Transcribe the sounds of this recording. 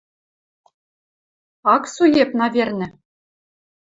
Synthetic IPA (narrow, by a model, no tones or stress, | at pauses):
ɑksujepnɑvʲerʲnʲɘ̆